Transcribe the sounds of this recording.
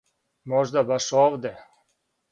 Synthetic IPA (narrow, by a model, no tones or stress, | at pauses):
mɔʒd̪abaʃɔʋd̪ɛ